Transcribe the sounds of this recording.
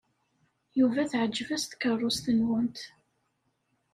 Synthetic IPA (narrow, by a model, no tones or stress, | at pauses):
juvæθʕəd͡ʒːvæst̪kərˤːʊst̪ənwənt̪